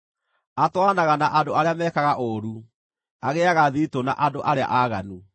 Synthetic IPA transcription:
atwanaɣanaʔandoaɾeamɛːkaɣaʔoɾu | aɣeaɣaðitona̰ʔadoʔaɾea̰ʔaɣanu

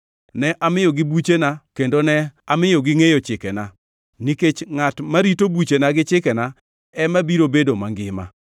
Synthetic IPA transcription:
nɛʔamɪjɔɡɪbut͡ʃenakendonɛamɪjoɡɪŋejot͡ʃɪkɛna | niket͡ʃŋatmaɾitobut͡ʃenaɡɪt͡ʃɪkɛna | ɛmabiɾobedomaŋɡɪma̰

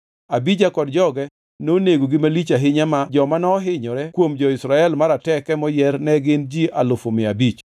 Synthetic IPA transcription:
abid͡ʒakɔdd͡ʒɔɡɛ | noneɡoɡɪmalit͡ʃaɦɪɲamad͡ʒɔmanɔɦɪɲɔɾɛkwomd͡ʒɔɪsɾaɛlmaɾatɛkɛmɔjɛɾnɛɡɪnd͡ʒialʊfomɪabit͡ʃ

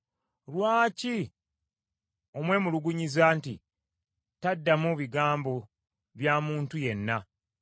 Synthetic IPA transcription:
lwaːci | o̞mwe̞ːmuluɡuɲizaːnti | tadːamuβiɡaːmbo̞ | βjaːmuːntuje̞nːa

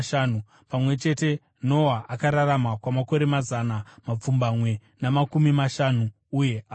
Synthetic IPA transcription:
ʃanu | pamwe̞t͡ʃe̞te̞ | no̞waʔakaɾaɾamakwamako̞ɾe̞mazanamap͡fumbamwe̞ | namakumimaʃanuː | je̞a

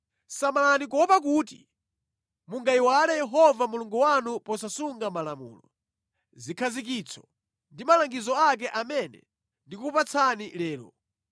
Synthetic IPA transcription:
samalanik̬ɔpak̬uːtḭ | muŋɡaiwalɛjɛɦɔvamuluŋɡuwanupɔsasuŋɡamalamṵːlɔ | zikʰazik̬it͡sʰɔ̥ | ndimalaŋɡizɔak̬ɛʔamɛnɛ̰ | ndikupat͡sʰanilɛːlɔ̰

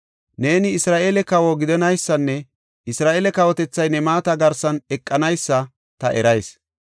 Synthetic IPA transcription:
ne̞ːnɪɪsɾaːʔelɛkɐwoɡɪd̪ɛnɐjsːɐnːɛ | ɪsɾaːʔeːlɛkɐwɔt̪ɛt͡sːɐjnɛmaːt̪ɐɡɐɾsɐnɛkʼːɐnɐjsːɐ | t̪ɐʔɛɾɐjs

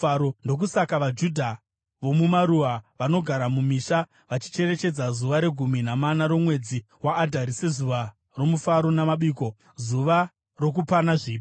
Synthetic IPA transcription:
ɾondo̞k̬usakaʋad͡ʒudʱa | ʋo̞mumaɾuʋaʋano̞ɡʱaɾamumiːʃa | ʋat͡ʃi̥t͡ʃe̞ɾe̞t͡ʃe̞d͡zazuʋaɾe̞ɡʱumin̤amanaɾo̞mwe̞d͡zi | waːdʱaɾise̞zuʋa | ro̞mufaɾo̞namaɓiːko̞ | zuʋa | ro̞k̬upanaʐiːp

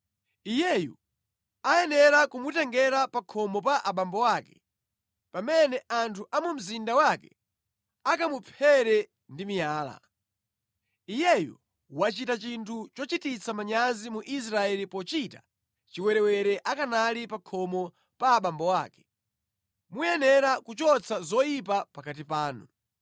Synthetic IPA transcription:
ijɛjṵ | ajɛnɛɾakumutɛŋɡɛɾapakʰɔmɔp̬aʔaɓambɔwaːkɛ̰ | pamɛnɛantʰuʔamum̩zindawakɛ̰ | akamupʰɛɾɛ | ndimijaːla̰ | ijɛjṵ | wat͡ʃitat͡ʃintʰut͡ʃɔt͡ʃitit͡sʰamaɲazimuʔis̬ɾaɛlipɔt͡ʃita | t͡ʃiwɛɾɛwɛɾɛʔakanalipakʰɔmɔ | paːɓambɔwaːkɛ̥ | mujɛnɛɾakut͡ʃɔt͡sʰazɔjip̬apakat̬ipaːnṵ

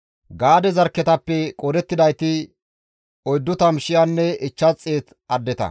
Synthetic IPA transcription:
ɡaːd̪ɛzɐɾkːɛt̪ɐpːɛkʼɔd̪ɛt̪ːɪd̪ɐjt̪ɪ | ɔjd̪ːʊt̪ɐmʃɪjanːɛɪt͡ʃːɐt͡sʼːeːt̪ | ɐd̪ːɛt̪ɐ̰

